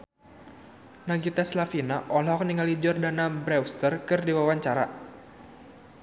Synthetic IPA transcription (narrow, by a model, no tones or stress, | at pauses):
naɡit̪aslafinaʔɔlɔk̚niŋalid͡ʒɔrdanabɾɛwst̪ərkɨrdiwawaɲt͡ʃaɾa